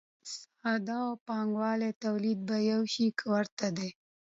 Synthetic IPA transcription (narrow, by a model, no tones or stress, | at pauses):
s | ɑd̪ɑawpɑŋɡwɑlet̪awlid̪̚bajawʃikʰəwaɾt̪ad̪e